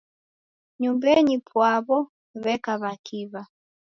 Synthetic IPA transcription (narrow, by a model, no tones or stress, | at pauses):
ɲumbɛɲipwaβɔ | βɛkaβakiβa